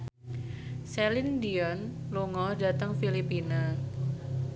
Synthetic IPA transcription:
sɛlindiɔnluŋɔdat̪əŋfilipina

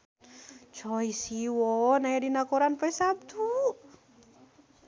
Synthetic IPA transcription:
t͡ʃʰɔjsiwɔnajɾinakoɾanpəjsabt̪ʰu

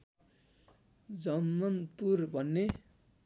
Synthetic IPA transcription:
d͡zʌmːʌnpurbʱʌnːe

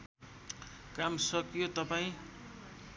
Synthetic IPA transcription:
kamsʌkjot̪ʌpaĩ

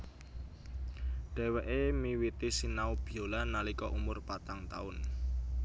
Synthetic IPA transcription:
ɖ̥ɛ̤wɛʔemiwit̪isinaub̥i̤olanalikɔʔumʊrpat̪aŋt̪a̰ʊn

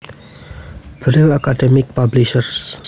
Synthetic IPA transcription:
bɾilakaɖɛmik̚pabliʃəɾs

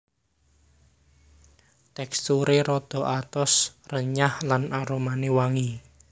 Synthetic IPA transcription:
t̪ɛkst̪uɾeɾɔd̪̥ɔ̤ʔat̪ɔsrəɲahlanaɾomanewaŋi

